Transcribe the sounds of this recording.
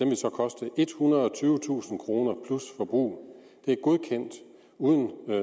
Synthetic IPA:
d̥emʋe̝sɒ̽kʰɒ̽sd̥əʔe̝d̥hunʁɐðˠɒ̽t͡sʰyːʊət͡sʰṵːsn̩kʰʁo̝ːnɐpʰlusfɒ̽b̥ʁṵː | d̥e̝æɐɡ̥o̝ð̞ˠkʰen̰d̥ | uːðˠən

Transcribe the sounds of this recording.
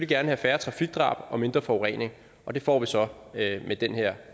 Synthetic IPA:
lɡ̥æɐnəhæfæːɐt͡sʰʁɑ̈fiɡ̥̚d̥ʁɑ̰̈ːb̥ɒ̽me̝nd̥ʁɐfɒʊʁɛ̰ːne̝ŋ | ʔɒ̽d̥e̝fɒ̰ːʋisɒ̽ | med̥enheɐ̰

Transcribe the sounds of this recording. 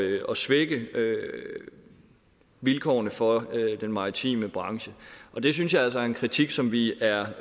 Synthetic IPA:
ɒ̽sʋeɡ̥əø | ʋilkʰɒ̰ːnəfɒ̽d̥enmɑ̈ːit͡sʰḭːməb̥ʁɑ̈ŋɕəʔɒ̽d̥e̝s̬ynsjɑ̈ælsɒæɐenkʰʁit͡sʰiɡ̥sɒ̽mʋiæɐ

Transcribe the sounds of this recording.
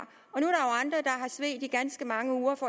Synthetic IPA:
ɒ̽nuæɐɾ̥ɑ̈joʊɑ̈nd̥ʁɐd̥ɑ̈ɦɑ̈sʋe̝̰ːd̥iɡ̥ænsɡ̥əmɑ̈ŋəuːɐfɒ̽

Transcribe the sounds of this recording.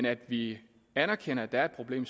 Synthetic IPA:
næd̥ʋi | ænɐkʰenɐæd̥æɐed̥̚pʰʁo̝b̥le̝̰ːms

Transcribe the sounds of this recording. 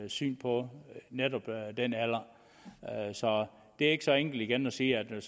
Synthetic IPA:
sy̰ːnpʰɒ̽ned̥ɒb̥d̥enælɐ | sɒ̽ | d̥e̝æe̝ɡ̥sɒ̽eŋ̰ɡ̥l̩diɡ̥ænɒsiːæd̥

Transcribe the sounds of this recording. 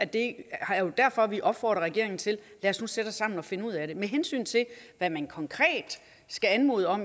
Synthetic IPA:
æd̥e̝hɑɐjo̝d̥æɐfɒ̽ʋiʔɒ̽b̥fɒ̰ːd̥ʁɐʁɛɡ̥e̝̰ɐeŋn̩t͡sʰe̝llæɐsnused̥ɑsːɑ̈m̰n̩ɒ̽fe̝nəuð̰ˠæɾe̝meɦensy̰ːnt͡sʰe̝ʋæmænkʰɒ̽ŋkʰʁɛ̰ːd̥ | sɡ̥æænmo̝̰ːðˠəɒ̽m

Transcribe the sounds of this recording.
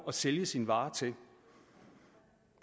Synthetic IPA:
ɒ̽seljəsinʋɑ̈ːt͡sʰe̝l

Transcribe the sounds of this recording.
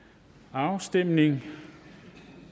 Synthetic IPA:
ɑ̈ʊsd̥em̰ne̝ŋ

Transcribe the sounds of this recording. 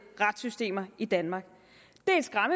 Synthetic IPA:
ʁɑd̥sysd̥e̝̰ːmɐid̥ænmɑ̈ɡ̥ | d̥e̝ɐen̥sɡ̥ʁɑ̈mə

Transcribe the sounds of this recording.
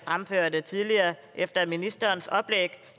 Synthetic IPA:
fʁamføɐ̰d̥ət͡sʰiðˠliɐːʔefd̥ɐminisd̥ɐːnsɒ̽b̥leɡ̥

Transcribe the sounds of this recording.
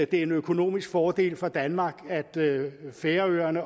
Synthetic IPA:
d̥e̝æɐe̝nøkʰo̝no̝̰ːmisɡ̥fɒːd̥e̝̰ːlfʁɑ̈d̥ænmɑ̈ːɡ̥æd̥feːɐøːɐnə

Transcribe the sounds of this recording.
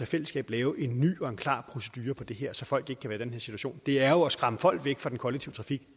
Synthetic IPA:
æfel̰əsɡ̥ɛ̰ːb̥lɛːʊʔe̝nːy̰ːɒ̽e̝nkʰlɑ̰̈pʰʁo̝sed̥yːɐpʰɒ̽d̥e̝ɦeɐ̰sɒ̽fɒ̽l̰ɡ̥e̝ɡ̥əkʰæʋæːɐd̥enɦe̝ɐ̰si̥t͡suæɕo̰ːnd̥e̝æɐjoɒsɡ̥ʁɑ̈məfɒ̽l̰d̥ʋeɡ̥fʁɑd̥enkʰɒ̽leɡ̚t͡sʰiʊt͡sʰʁɑ̈fiɡ̥

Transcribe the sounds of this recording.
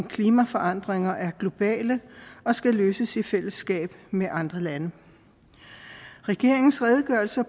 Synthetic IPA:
nkʰliːmæfɒ̽ʔɑ̈n̰d̥ʁeŋɐʔæɐɡ̥lo̝b̥ɛ̰ːləɒ̽sɡ̥æløːsəsifel̰əsɡ̥ɛ̰ːb̥meʔɑ̈nd̥ʁɐlænə | ʁɛɡ̥e̝ɐ̰e̝ŋn̩sʁɛð̞ˠəɡ̥ɶɐlsɐ

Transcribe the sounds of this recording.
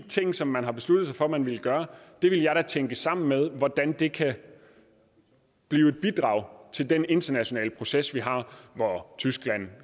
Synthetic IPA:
it͡sʰe̝ŋ̰sɒ̽mːænɦɑ̈b̥e̝slud̥ð̩sɑ̈ɪfɒ̽mænʋeləɡ̥ɶːɐd̥e̝ʋe̝ljɑ̈ɪɾ̥æt͡sʰeŋɡ̥əsɑ̈m̰n̩með̞ˠʋɒd̥ænd̥e̝kʰæ | b̥liːʊe̝d̥̚b̥id̥ʁɑ̈ʊ̰t͡sʰe̝ld̥ene̝nd̥ɐnæɕo̝nɛ̰ːləpʰʁo̝sesʋiɦɑ̈ʋɒt͡sʰysɡ̥læn̰

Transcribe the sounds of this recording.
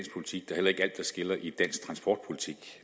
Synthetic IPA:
nspʰolit͡sʰiɡ̥d̥ɑɐhel̰ɐe̝ɡ̥əæl̰d̥ːɑsɡ̥e̝lɐʔid̥æn̰sɡ̥̚t͡sʰʁɑ̈nsb̥ɒ̰ːd̥̚pʰo̝lit͡sʰiɡ̥

